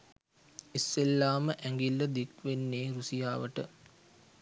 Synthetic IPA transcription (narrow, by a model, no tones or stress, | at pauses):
isːelːaːməʔæŋɡilːəd̪ikʋenːeːɾusijaːʋəʈə